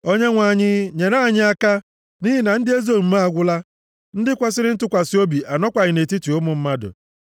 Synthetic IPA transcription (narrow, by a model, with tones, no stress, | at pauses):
o˦ɲe˦ŋʷa˨ɲɪ˦ɲe˨ɾa˦˨ɲɪ˦a˦ka˦ | ni˦ɦɪ˦na˨n̩˦dɪ˦e˦zo˦˨m̩˦ma˦a˦˨ɡʷʊ˦la˦ | n̩˦dɪ˦kʷa˦s̬ɪ˦ɾɪ˦n̩˦tʊ˦kʷa˨sɪ˦o˦bi˨ʔa˨nɔ˦kʷa˨ɲɪ˨ne˨ti˦tu˨ʊ˦mʊ˨m̩˦ma˦dʊ̰˨